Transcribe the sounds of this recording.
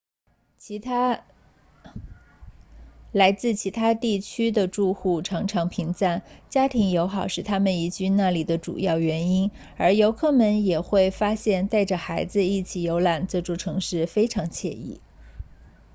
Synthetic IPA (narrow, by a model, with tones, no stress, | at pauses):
a˥ | la˧˥ɪt͡sɹ̩˥˩t͡ɕʰi˧˥t̪ʰa˥t̪i˥˩t͡ɕʰy˥d̪ə˨ʈ͡ʂu˥˧xu˥˩ʈ͡ʂʰɑ˧˥ŋʈ͡ʂʰɑ˧˥ŋpʰi˧˥ŋt͡sa˥˩nt͡ɕja˥t̪ʰi˧˥ŋjo˧˥ʊxɑ˨˩ʊʂɻ̩˥˩t̪ʰa˥mə˨ni˧˥t͡ɕy˥˧na˥˩li˨˩d̪ə˦ʈ͡ʂṵ˨˩jɑ˥˩ʊɥɛ˧˥ni˥n | ə˞˧˥jo˧˥ʊkʰɤ˥˩mə˧˥njɛ˨˩xwe˥˩ɪfa˥ɕjɛ˥˧nt̪a˥˩ɪʈ͡ʂə˩xa˧˥ɪd͡zɹ̩˧i˥˩t͡ɕʰi˨˩jo˧˥ʊla˨˩nt͡sɤ˥˧ʈ͡ʂu˥˩ʈ͡ʂʰɤ˧˥ŋʂɻ̩˥˩fe˥ɪʈ͡ʂʰɑ˧˥ŋt͡ɕʰjɛ̰˥˧ḭ˥˩